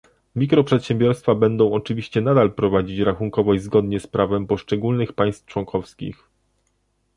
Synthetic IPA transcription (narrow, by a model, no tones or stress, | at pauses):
mʲikɾɔpʂɛt̪ɕɛmbʲjɔɾst̪fabɛnd̪ɔ̃w̃ɔt͡ʂɘvʲiɕt͡ɕɛnad̪alpɾɔvad͡ʑit͡ɕɾaxuŋkɔvɔjizɡɔd̪ɲɛspɾavɛmpɔʂt͡ʂɛɡulnɘxpaj̃st̪ft͡ʂwɔŋkʰɔfskʲḭx